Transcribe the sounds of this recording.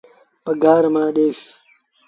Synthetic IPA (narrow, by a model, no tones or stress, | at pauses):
pɐɡaːɾɐmãːɗeːɕi̥